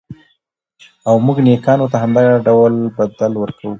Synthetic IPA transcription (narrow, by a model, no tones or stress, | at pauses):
awmuɡnekɑnot̪aɦamd̪aɣaɖawlbad̪alwəɾkʰawu